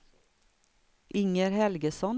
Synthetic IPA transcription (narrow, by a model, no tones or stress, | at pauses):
ʔɪŋəɾhɛlɡəsɔn